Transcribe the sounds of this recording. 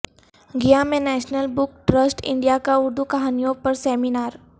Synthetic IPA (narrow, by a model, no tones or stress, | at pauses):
ɡijamenɛɕnəlbukʈɾəsʈḭɳɖijakauɾd̪ʱukaɦanijopəɾseminaɾ